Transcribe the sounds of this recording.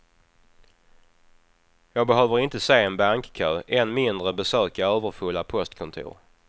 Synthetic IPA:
jɑːɡ̚bɛɦøːvəɾɪnt̪əseːɛnbaŋkkʰøːʔɛnmɪnd̪ɾəbɛsøːkaøːvəɾfɵlːapʰɔst̪kʰɔnt̪ʰṵːɾ

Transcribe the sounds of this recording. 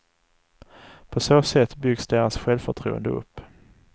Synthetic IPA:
pʰɔsoːsɛt̪ːbʏɡsd̪eːɾasɧɛlvfœʈʰɾṵːə̰nd̪əɵ̰pː

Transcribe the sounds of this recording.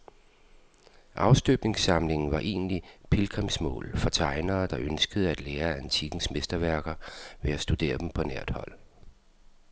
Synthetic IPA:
ʔɑ̈ʊsd̥øb̥ne̝ŋsɑ̈mle̝ŋn̩ʋɑ̈ʔe̝̰ːnəlipʰelkʰʁɛmsmɔ̰̽ːlfɒ̽t͡sʰɑ̈ɪnɐːd̥ɑ̈ʔønsɡ̥əð̞̩ˠəæd̥leːɐænt͡sʰiɡ̥n̩smesd̥ɐʋæɐɡ̥ɐʋeæsd̥ud̥e̝̰ːɐd̥em̩pʰɒ̽næɐ̰d̥hɒ̽l̰

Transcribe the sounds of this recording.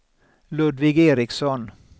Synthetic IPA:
lɵd̪vɪɡeːɾɪksɔn

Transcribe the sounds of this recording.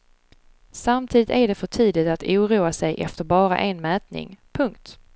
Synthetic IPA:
samt̪ʰiːd̪ɪt̪æɖɛfœʈʰiːd̪ɪt̪at̪ʰuːɾuːasɛjʔɛ̰ft̪əɾbɑːɾa̰ʔenmɛːt̪nɪ̰ŋpʰɵŋkt̪

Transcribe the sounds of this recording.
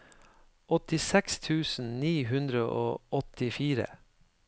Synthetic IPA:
ʔɔt̪ɪsɛkst̪ʰʉːsn̩niːɦʉnd̪ɾəʔoːʔɔt̪ɪfiːɾə̰

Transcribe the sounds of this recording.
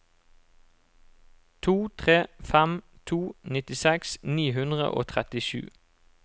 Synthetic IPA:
t̪ʰuːt̪ʰʁeːfɛmt̪ʰuːnɪt̪ɪsɛksniːhʉnd̪ʁə̰ʔo̰ːt̪ʰʁɛt̪ɪʃʉ̰ː

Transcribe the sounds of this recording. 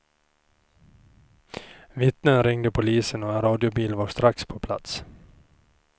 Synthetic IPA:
vɪt̪nənɾɪŋd̪əpʰʊliːsənɔɛnɾɑːd̪ɪʊbiːlvɑːɾʂt̪ɾakspʰɔpʰla̰t̪s

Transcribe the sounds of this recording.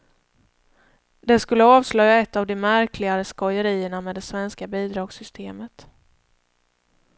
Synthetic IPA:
d̪ɛskɵlːəɑːvslœjːaɛt̪ːavd̪ɛmæɾkʰlɪɡaɾəskɔjəɾiːəɳameːd̪ɛsvɛnskabiːd̪ɾɑːɡsʏst̪ʰeːmət̪

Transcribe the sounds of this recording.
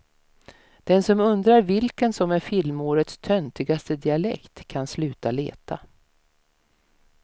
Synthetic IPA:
d̪̥ɛnsɔmɵnd̪ɾaɾvɪlkənsɔmæɾfɪlmoːɾət̪st̪ʰœnt̪ɪɡast̪əd̪ɪalɛ̰kt̪kʰːanslʉ̟ːt̪alḛːt̪ʰa

